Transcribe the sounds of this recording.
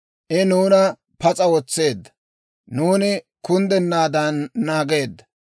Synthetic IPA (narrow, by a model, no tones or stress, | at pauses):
ʔɪnuːnɐ | pɐt͡sʼɐwɔt͡sːe̞ːd̪ːɐ̥ | nuːnɪ | kʊnd̪ɛnːaːd̪ɐnːaːɡe̞ːd̪ːɐ̥